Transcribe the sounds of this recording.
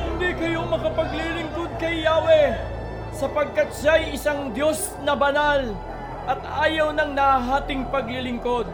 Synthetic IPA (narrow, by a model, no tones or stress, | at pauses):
hɪnd̪ikɐjo̞mɐkɐpɐɡlilɪŋko̞d̪̚kɐjːaːwɛ | sɐpɐɡ̚kat̪̚ʃajʔɪsaŋd̪jo̞s | nɐbɐnal | ʔɐt̪aːjɐwnɐŋnɐaɦaːt̪ɪŋpɐɡlɪlɪŋko̞d̪̚